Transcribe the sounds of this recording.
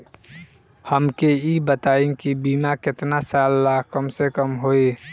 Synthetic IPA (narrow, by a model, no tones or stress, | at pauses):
həmkeibət̪aɪ̃ŋkibimakɪt̪nasalːakəmsekəmɦoi